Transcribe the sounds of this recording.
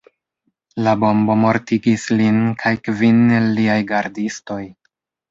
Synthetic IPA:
labo̞mbo̞mo̞ɾtiɡislinkʰajkvinelːiajɡaɾdisto̞j

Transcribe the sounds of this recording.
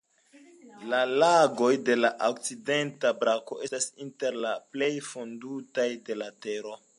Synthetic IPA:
lalaɡo̞jde̞laʔokt͡side̞ntabɾako̞ʔe̞stasinte̞ɾlaple̞jfondutajde̞late̞ɾo̞

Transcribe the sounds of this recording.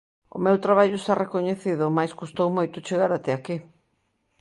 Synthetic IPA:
ʊ̰mewt̪ɾaβ̞aʎʊest̪arekoɲeθiðʊmajskust̪owmojt̪ʊt͡ʃeɣaɾat̪eaki

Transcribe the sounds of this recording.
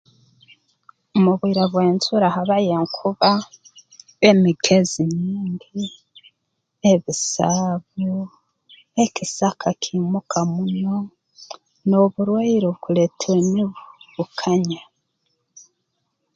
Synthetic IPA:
omuβwiːɾaβweːnzuɾahaβajeŋkʰuβa | βemiɡeziɲiːɲdi | eβisaβu | ecisakʰakʰimukʰamuno̞ | noβuɾweiɾoβukuletʰeweniβuβukʰaɲa

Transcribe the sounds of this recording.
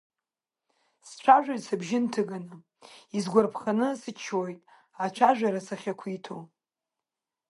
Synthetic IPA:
st͡ʃʷʰaʒᶣajsabʒɪntʰɨɡanɨ | izɡʷarpʰχanɨsɨt͡ʃʰojtʼ | at͡ʃʷʰaʒᶣaɾasaχʲakʷʰitʰo

